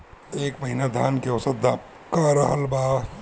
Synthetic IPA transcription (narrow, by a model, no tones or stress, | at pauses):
eːkmɐɦinad̪ʱaːnkeɔsəa | kaːɾɐɦɐlbaː